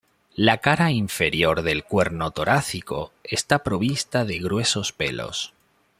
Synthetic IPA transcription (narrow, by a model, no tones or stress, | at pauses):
lakaɾaiɱfe̞ɾjo̞ɾðe̞lkwe̞ɾno̞t̪o̞ɾʔaθiko̞̰e̞st̪apɾo̞β̞ist̪aðe̞ɣɾwe̞so̞spḛlo̞̰s